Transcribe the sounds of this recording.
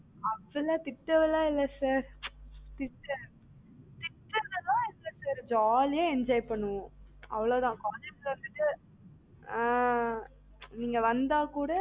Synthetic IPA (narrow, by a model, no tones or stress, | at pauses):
ɐʋːɪlɐt̪ɪʈːɐʋɪlãːɪlːɐsaːɾt̪ɪʈːɐ | t̪ɪʈːɯnɐlãːɪlːɐsaːɾd͡ʒaːljẽɛɲd͡ʒaːjpɐɳːɯʋõɐ̰ʋɐɭoːt̪ãːkaːd͡ʒɛkːʋɐnd̪ɯʈːɯ | niːŋɡɐʋɐnd̪aːkuːɽɐ